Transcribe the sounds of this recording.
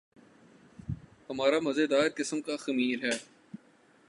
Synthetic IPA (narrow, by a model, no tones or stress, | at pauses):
hɐmaːɾamɐzed̪aːɾkɪsəmkaxɐmiːɾɦɛː